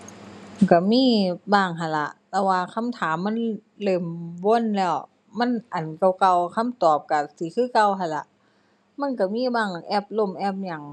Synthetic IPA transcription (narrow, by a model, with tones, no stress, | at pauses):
ka˧˩miː˧˥˨baː˧˩ŋɦa˧˩nla˧ʔlɛ˧˩waː˧kʰa˧˥˨mt̪ʰaː˨˦mːa˧˥˨n | lɤː˧˩˨mwo˧˥˨nlɛː˧˩w | ma˧˥˨nʔa˨˩nka˧˩wka˧˩wkʰa˧˥˨mt̪ɔː˨˩p̚ka˧˩si˨˦kʰɯː˧˥˨ka˧˨wɦa˧˩nla˧˦ʔ | ma˧˥˨nka˧˩miː˧˥˨baː˧˩ŋʔɛ˧˥˩p̚lo˧˩˨mʔɛ˧˩˨p̚ɲa˧˩ŋ